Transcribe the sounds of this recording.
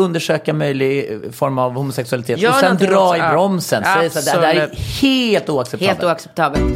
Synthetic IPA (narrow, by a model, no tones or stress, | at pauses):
ɵnd̪əʂøːkamœjlɪɡfɔɾmavhʊmʊsɛksɵalɪt̪ʰeːtɔɛnd̪ɾɑːɪbɾɔmsənɛjːssd̪ɛɛæɾheːlt̪uːaksɛp̪ːlt̪uːaksɛp̚t̪ʰɑːbəl